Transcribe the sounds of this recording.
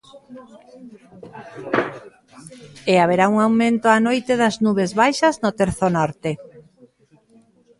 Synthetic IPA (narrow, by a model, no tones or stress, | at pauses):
eaβ̞eɾauŋawmẽnt̪oanojt̪eðɐznuβ̞ezβajʃɐznot̪eɾθonɔɾt̪e